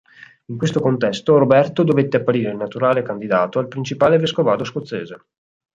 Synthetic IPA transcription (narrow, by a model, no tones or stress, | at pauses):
iŋkwest̪okont̪ɛst̪oɾobɛrt̪od̪ovet̪ːeapːaɾiːɾeilnat̪uɾaːlekand̪id̪aːt̪oalpɾint͡ʃipaːleveskovaːd̪oskot̪sːeːze